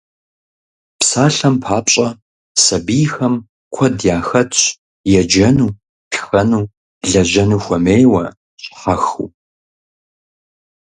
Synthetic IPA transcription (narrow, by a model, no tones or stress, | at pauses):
psaːɬɐmpʰaːpɕʼɐ | sɐbiːxɐm | kʷʰɔdjaːxɐtʰɕ | jɛd͡ʒɐnuː | pʰxɐnuː | ɮɐʑɐnuːxʷɐmeːjwɐ | ɕʼħaxṵː